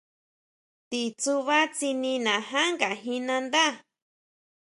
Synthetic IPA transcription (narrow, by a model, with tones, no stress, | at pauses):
t̪i˨t͡su˧βa˦t͡si˧nĩ˧nã˨ɦã˦ŋɡa˨ɦĩ˧nã˧nd̪a˦˨